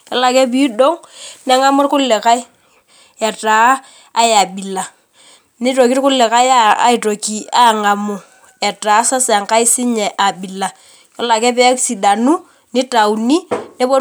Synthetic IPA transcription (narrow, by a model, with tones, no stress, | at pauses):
jɔ˨˦la˨kɛ˦p̬i˦do˦ŋnɛ˦ŋa˦mʊ˦rkʊ˦lːɛ˨ka˦j | ɛ˨taː˨˦ | ja˨bi˨la˨ | ni˦to˨ki˦tkʊ˦lːɛ˨ka˦ja˦a̰˨i˨to˨ki˨a˦ŋa˨mʊ˨ | ɛ˨ta˨˦sa˦sɛ˨ŋka˦jsɪ˦ɲɛ˨ʔa˨bi˨la˨ | jɔ˦la˨kɛ˦pɛ˦ksi˨da˨nu˦ | nɪ˦ta˨u˨ni˦nɛ˦bɔ˦